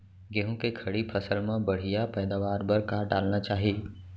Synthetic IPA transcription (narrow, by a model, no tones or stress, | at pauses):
ɡeːɦũkekʰɐɽipʰɐsəlmẽbɐɽ̤ijapɛːd̪aːʋaːɾbɐɾkaɖaːlnat͡ʃaːɦieː